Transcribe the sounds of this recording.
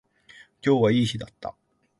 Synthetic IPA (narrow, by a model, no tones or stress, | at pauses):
kʲo̞ːβaiːɕid̪at̪ːa̰